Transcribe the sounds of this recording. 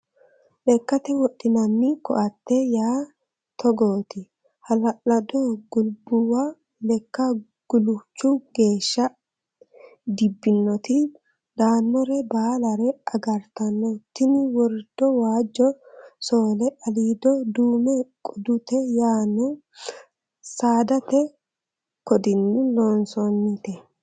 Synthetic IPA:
lɛkːɐt̪ɛwɔɗːɪnɐnːɪkɔ̰ʔɐt̪ːɛjaː | t̪ɔɡoːt̪ɪ | hɐlɐlɐd̪ɔɡʊlbʊwa | lɛkːɐ | ɡ̥ʊlʊt͡ʃːʊɡ̥e̞ːʃːɐ | d̪ɪbːɪnːɔt̪ɪ | d̪aːnːɔɾɛbaːlɐɾɛɐɡɐɾt̪ɐnːɔt̪ːɪnɪwɔɾd̪̥ɔwaːd͡ʒːɔsoːlɛɐliːd̪ɔd̪uːmɛkʼʊd̪ʊt̪ɛjaːnːɔ | saːd̪ɐt̪ɛ | kɔd̪ɪnːɪloːnsɔnːɪt̪ɛ

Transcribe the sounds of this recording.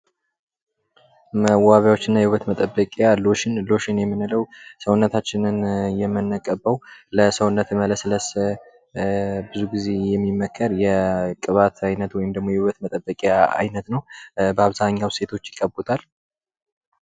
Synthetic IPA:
məwaβjawo̞t͡ʃːɪnːajɛwuβət̪mət̪ʼəbːəkʼjalo̞ʃɪnlo̞ʃɪnjɛmːɨnɨləwsəwʊnːət̪ʰat͡ʃːɪnɨnjɛmːɨnːəkʼəbəwləsəwʊnːət̪mələsɨləs | bɨzuɡize̞jɛmːimːəkʰːəɾjɛkʼɨβat̪ʰajnət̪wɔjɪmd̪əɡmo̞jɛhuβət̪mət̪ʼəbːəkʼjaa̰jnət̪nəwbəaβzaɲːawse̞t̪ʰo̞t͡ʃːjɪkʼːəbːot̪ʰal

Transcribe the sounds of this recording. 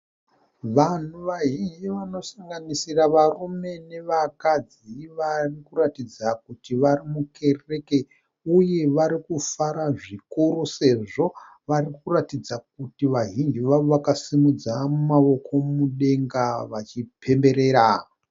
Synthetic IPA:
ʋan̤uʋaɦind͡ʒiʋano̞saŋɡanisiraʋarume̞ne̞ʋakad͡z | iʋarikuratid͡zakutiʋaɾimuke̞re̞ke̞ | uje̞ʋaɾikufaɾaʐikuɾuse̞ʐo̞ | ʋarikuratid͡zak̚utiʋaɦind͡ʒiʋaʋoʋakasimud͡zamumaʋo̞kʰo̞muɗe̞ŋɡaʋat͡ʃipʰe̞mbe̞ɾe̞ːɾa

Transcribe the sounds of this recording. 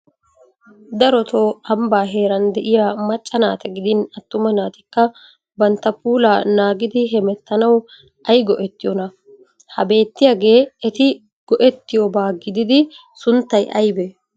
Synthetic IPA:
d̪ɐɾɔt̪ʰo̞ːɐmbaːɦe̞ːɾɐnd̪ɛʔɪjamɐt͡ʃʼːɐnaːt̪ɛɡɪd̪ɪnɐt̪ːʊmɐnaːt̪ɪkːɐ | bɐnt̪ːɐpuːlaːnaːɡɪd̪ɪɦɛmɛt̪ːɐnɐw | ʔɐjɡɔʔɛt̪ːɪjɔnɐ | hɐbe̞ːt̪ːɪjaɡe̞ːɛt̪ɪ | ɡ̥ɔʔɛt̪ːɪjobaːɡɪd̪ɪd̪ɪsʊnt̪ːɐjʔɐ̰jbɛ

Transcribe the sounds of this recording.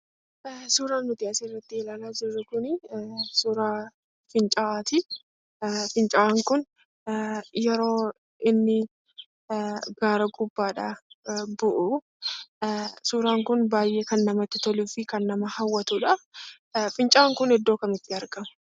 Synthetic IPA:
suːɾaːnːʊt̪ɪaːserːɐt̪ːɪɛlaːlaːd͡ʒɪɾːʊkʊnɪsuːɾaː | fɪnt͡ʃʼɐaːt̪ɪ | fɪnt͡ʃʼɐaŋkʊn | jɛɾo̞ː | ɪnːɪ | ɡaːɾɐɡʊbːaːᶑɐbʊʔʊ | suːɾaːŋkʊnbaːjʔe̞ːkɐnːɐmɐt̪ːɪt̪ɔlufɪkɐnːɐmɐhɐwːɐt̪uːᶑɐ | fɪnt͡ʃʼaaŋkʊnɛd̪ːoːkɐmɪt̪ːɪɐɾɡɐmɐ̥

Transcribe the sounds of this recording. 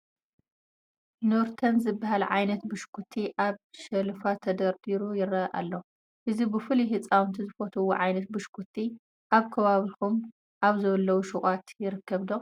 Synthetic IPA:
noɾt̪ʰɐnzɨbːaɦalʕajnɐt̪bɨʃkʰut̪ʰiʔaβʃɐlfat̪ʰɐd̪ɐɾd̪iɾujɪrɐʔa̰lːo | ʔɨzibɨfɨliɦɨt͡sʼawnt̪ʰizɨfot̪ʰɐwoʕajnɐt̪̚bɨʃkʰut̪ʰːi | ʔaβkʰɐβaβixum | ʔaβzɐwlːɐwuʃukʼat̪jɪɾɨkʰːɐβd̪o

